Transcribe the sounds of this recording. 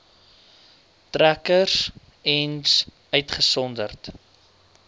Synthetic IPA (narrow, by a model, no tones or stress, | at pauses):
trækəs | ɛns | œɥtχəsɔndərt